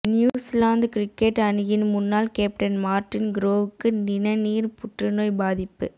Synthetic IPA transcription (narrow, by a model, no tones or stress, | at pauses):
njuːslaːnd̪kɪɾɪkːeʈːɐnɯjɪnmʊnːaːlkeːp̚ʈɐnmaːɾʈːɪnɡɪɾoːʋɯkːɯnɪnɐniːɾpʊʈrɯnoːjbaːðɪpːɯ̰